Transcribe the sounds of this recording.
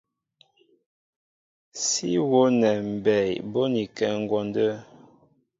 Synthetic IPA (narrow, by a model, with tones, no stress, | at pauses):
si˦wo˨˦nɛ˨m̩˨bɛ˨jbo˦ni˨kɛ˨ŋ˨ɡwɔ˨ndə˦